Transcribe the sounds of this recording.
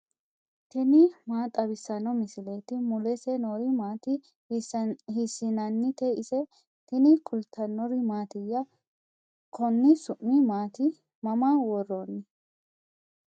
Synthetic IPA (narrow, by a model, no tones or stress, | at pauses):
t̪ɪnɪmaːt̪ʼɐbɪsːɐnɔmɪsɪleːt̪ɪmʊlɛsɛnoɾɪmaːt̪ɪ | hɪsːɪnɐnːɪt̪eʔɪsɛ | t̪ɪnɪkʼʊlt̪ʰːɐnːɔɾɪmaːt̪ɪjːɐ | kʰɔnːɪsʊʔːɪmaːt̪ɪ | mɐmawɔrːoːnːɪ